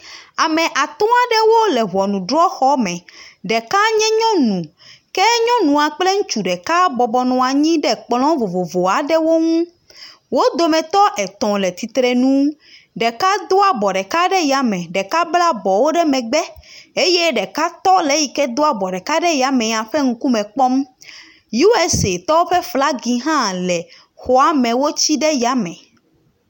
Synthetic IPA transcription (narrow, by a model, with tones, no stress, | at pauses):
a˨mɛ̃˨ʔa˨t̪ɔ̃˦a˨ɖɛ˦wo˦lɛ˨ɦɔ˨nũ˨ɖɾɔ˦xɔ˦mɛ̃˨ɖɛ˨ka˦ɲɛ̃˦ɲɔ̃˦nũ˨kɛ˦ɲɔ̃˦nũ˨a˨k͡ple˦ŋũ˦t͡ʃu˨ɖɛ˨ka˦bɔ˨bɔ˨nɔ̃˨a˨ɲĩ˦ɖɛ˦k͡plɔ̃˦vo˨vo˨vo˨a˨ɖɛ˦wo˦ŋũ˦ | wo˦d̪o˨mɛ̃˨t̪ɔ˦ʔɛ˨t̪ɔ̃˨lɛ˨t̪i˨t̪ɾe˨nũ˦ | ɖɛ˨ka˦d̪o˦a˨bɔ˨ɖɛ˨ka˦ɖɛ˦ja˨mɛ̃˨ɖɛ˨ka˦bla˦bɔ˨wo˦ɖɛ˦mɛ̃˨ɡ͡bɛ˦e˦je˦ɖɛ˨ka˦t̪ɔ˦le˦ji˨kɛ˦d̪o˦a˨bɔ˨ɖɛ˨ka˦ɖɛ˦ja˨mɛ̃˨ɲã˨ɸɛ˦ŋ̩˦ku˦mɛ̃˨k͡pɔ˦m | ju˦we˦se˨t̪ɔ˦wo˦ɸɛ˦fla˦ɡi˨ɦã˦lɛ˨ | xɔ˨a˨mɛ̃˨wo˦t͡ɕi˦ɖɛ˦ja˦mɛ̃˨